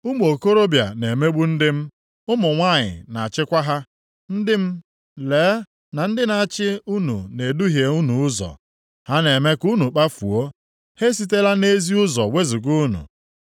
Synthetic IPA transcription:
u˦m˦o˨ko˦ɾo˦bja̰˨ne˨me˦ɡ͡bu˦n̩˦dɪ˦m̩˦ | ʊ˦mʊ˨ŋʷa˦˨ɲɪ̰˨na˨a˨t͡ʃɪ˦kʷa˦ɦa˦ | n̩˦dɪ˦m̩˦ | leː˨˦ | na˨n̩˦dɪ˦na˨a˨t͡ʃɪ˦u˦nṵ˨ne˨du˦ɦje˨u˦nu˨ʊ˦zɔ̰˨ | ha˦ne˨me˦ku˦nu˨k͡pa˦fṵ˨o˦ | he˦s̬i˦t̬e˦la˦ne˦zi˦ʊ˦zɔ˨we˦zi˨ɡu˦nṵ˨

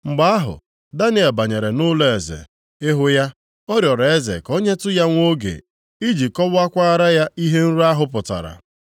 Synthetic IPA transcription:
ŋ͡m̩˨ɡ͡ba˦a˦ɦʊ̰˨ | da˦ne˦e˨ba˨ɲe˨ɾe˨nʊ˦le˦e˨zḛ˨ | ɪ˦ɦʊ˦ja˦ | ɔ˦ɾjɔ˨ɾe˨e˦zḛ˨ko˦ɲe˦tʊ˦ja˦ŋʷ˦o˦ɡḛ˨ | i˦d͡ʒi˨kɔ˦bʊ˦a˦kʷa˦a˦ɾa˦ja˦i˦ɦe˦n̩˦ɾu˦a˦ɦʊ˦pʊ˨ta̰˨ɾa̰˨

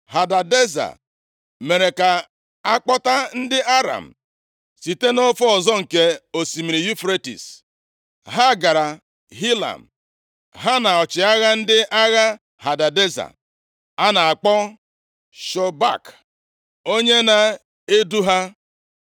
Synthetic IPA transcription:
ha˨da˨de˦za̰˨ | me˨ɾe˨ka˨ | a˦k͡pɔ˦ta˦n̩˦dɪ˦ʔa˦ɾa̰˨m̩˨ | si˨te˦no˦fɔ˦ɔ˨zɔ˦ŋ̩˨ke˦o˨si˨mi˨ɾi˨ju˦fɾe˦tḭ˨s | ɦa˦˨ɡa˨ɾa˨ | ɦi˦la̰˨m̩˨ | ɦa˦na˨ɔ˨t͡ʃɪ˨a˦ɣa˦n̩˦dɪ˦ʔa˦ɣa˦ | ha˨da˨de˦za̰˨ | a˦na˨a˨k͡pɔ˦ | ʃɔ˨ba̰˦˨k | o˦ɲe˦na˨ | e˦du˦ɦa˦

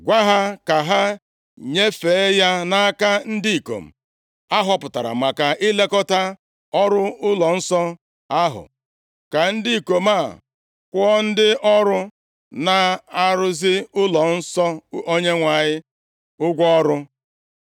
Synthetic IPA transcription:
ɡʷa˦ɦa˦ka˨ɦa˦ | ɲe˦fe˨˦ja˦na˦ka˦n̩˦di˦i˨ko̰˨m̩˨ | a˦ɦɔ˦pʊ˨ta˨ɾa̰˨ma˨ka˨i˦le˦kɔ˦ta˦ | ɔ˦ɾʊ˦ʊ˦lɔ˨n̩˦sɔ˦ | a˦ɦʊ̰˨ | ka˨n̩˦dɪ˦i˨ko˨ma˦˨ | kʷɔ˦n̩˦dɪ˦ʔɔ˦ɾʊ˦ | na˨a˦ɾʊ˦zɪ˦ʊ˦lɔ˨n̩˦sɔ˦o˦ɲe˦ŋʷa˨ɲɪ˦ | ʊ˦ɡʷɔ˦ɾʊ˦

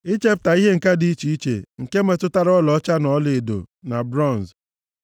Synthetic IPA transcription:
ɪ˦t͡ʃe˦p̚ta˨i˦ɦe˦ŋ̩˨ka˦di˨˦i˦t͡ʃi˨i˦t͡ʃḛ˨ŋ̩˨ke˦me˨tʊ˦ta˦ɾɔ˦lɔ˦t͡ʃa˦nɔ˨˦le˨e˨do̰˨na˨bɾɔ˦˨n˨z

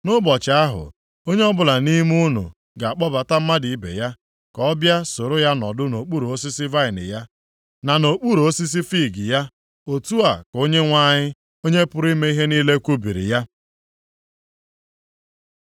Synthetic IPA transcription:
nʊ˦bɔ˨t͡ʃa˨a˦ɦʊ̰˨ | o˦ɲe˦ɔ˦bʊ˦la˨ni˦m˦u˦nṵ˨ | ɡa˨a˨k͡pɔ˦ba˨ta˦m̩˦ma˦di˨i˦bḛ˨ja˦ | kɔ˦bja˦so˨ɾʊ˦ja˦nɔ˨dʊ˦no˨k͡pu˦ɾu˨o˦si˦si˦va˦ɪ˨nɪ̰˨ja˦ | na˨no˨k͡pu˦ɾu˨o˦si˦s̬i˦fi˦˨ɡɪ˨ja˦ | o˨tu˦a˨ko˦ɲe˦ŋʷa˦˨ɲɪ˦ | o˦ɲe˦pʊ˦ɾi˦me˦i˦ɦe˦ni˦le˦kʷu˦bi˨ɾḭ˨ja˦

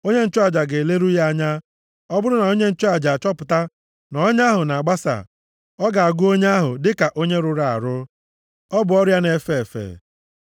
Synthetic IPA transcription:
o˦ɲe˦n̩˦t͡ʃʊ˦a˨d͡ʒa˨ɡe˨le˦ɾu˦ja˦˨ɲa˦ | ɔ˦bʊ˦ɾʊ˦na˨o˦ɲe˦n̩˦t͡ʃʊ˦a˨d͡ʒa˨t͡ʃɔ˦pʊ˨ta˦ | nɔ˨o˦ɲa˦ɦʊ˨na˨a˨ɡ͡ba˦sa̰˨ | ɔ˦ɡa˨a˨ɡʊ˦o˦ɲe˦a˦ɦʊ˨dɪ˦ka˨ʔo˦ɲe˦ɾʊ˨ɾa˨a̰˨ɾʊ˦ | ɔ˦bʊ˨ɔ˦ɾja˦ne˨fe˦e˨fḛ˨

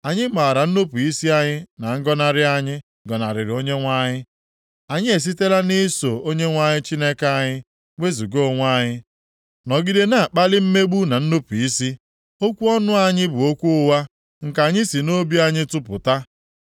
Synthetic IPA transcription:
a˨ɲɪ˦ma˨ɾa˨n̩˦no˦pu˨i˦si˦a˦ɲɪ˦na˨ŋ̩˦ɡɔ˦na˦ɾɪ˦a˦ɲɪ˦ | ɡɔ˨na˨ɾɪ˨ɾo˦ɲe˦ŋʷa˦ɲɪ˦ | a˨ɲɪ˦e˨s̬i˦te˦la˦ni˦so˨o˦ɲe˦ŋʷa˦ɲɪ˦t͡ʃi˦ne˦ka˦a˦˨ɲɪ˦ | ŋʷe˦zu˨ɡo˦˨ŋʷ˦a˦ɲɪ˦ | nɔ˨ɡi˦de˦na˨a˨k͡pa˦lɪ˦m̩˦me˦ɡ͡bu˦na˨n̩˦no˦pu˨i˦si˦ | o˦kʷu˦ɔ˦nʊ˦a˦ɲɪ˦bʊ˨o˦kʷu˦ʊ˦wa˦ | ŋ̩˨ka˨ɲɪ˦si˨no˦bi˦a˦ɲɪ˦tʊ˦pʊ̰˨ta˦

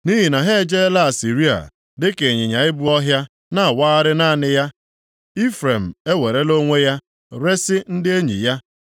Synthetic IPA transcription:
ni˦ɦi˨na˨ɦe˦d͡ʒe˦la˦a˨si˨ɾi˦a̰˨ | dɪ˦ke˨ɲɪ˨ɲa˨ɪ˦bu˦ɔ˦ɦja˦ | na˦˨a˨waː˦ɾɪ˦na˦˨nɪ˦ja˦ | i˦fɾe˨m̩˨e˦we˨ɾe˦lo˦ŋʷe˦ja˦ | ɾe˦sɪ˦n̩˦dɪ˦e˦ɲḭ˨ja˦

